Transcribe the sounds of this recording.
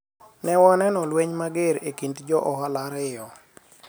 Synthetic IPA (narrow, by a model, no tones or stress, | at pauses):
nɛwɔnɛnɔlweɲmaɡeɾḛkintd͡ʒɔʔɔɦalaɾɪjɔ